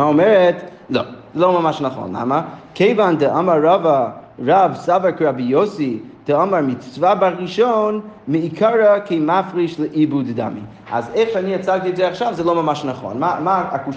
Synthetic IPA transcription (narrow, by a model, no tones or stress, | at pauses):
aɔmɛɹɛt | lo̰ʊz̥ɛloʊmamaʃnaχo̰nla̰məkʰeɪvandəʔamaɹːavaɹavsavakɹabijosid̥əamaɹmɪt͡svabaɾiʃonmɨikʰaɹəkimafʁiʃləʔibudda̰mḭ | a̰zeχʃaniat͡saɡ̚tiɛtzɛaχʃavzɛlˠoʊmamaʃnaχo̰nmamaaku